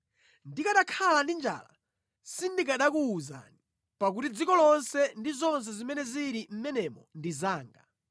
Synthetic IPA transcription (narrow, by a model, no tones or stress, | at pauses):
ndikaɗakʰalandind͡ʒa̰la̰ | sindikaɗakuːza̰ni | pak̬utid͡zikɔlɔnsɛndizɔns̬ɛzimɛnɛziɾim̩mɛnɛmɔndizaːŋɡa̰